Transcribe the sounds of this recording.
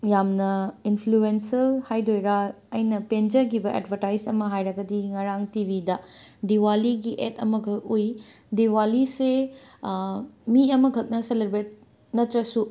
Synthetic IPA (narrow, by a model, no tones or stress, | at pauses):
jamnɐinpʰluensɐlhajdojɾɐ | ɐjnɐpend͡ʒɐɡibɐʔḛdbʱɐɾtajsɐmɐɦajɾɐɡɐdiŋɐɾaŋtibʱidɐdiwaliɡiʔetʰɐ̰mɐɡʱɐk̚uj | diwalise | miɐmɐɡʱɐk̚nɐseleɾbɾet̚ | nɐtɾɐsu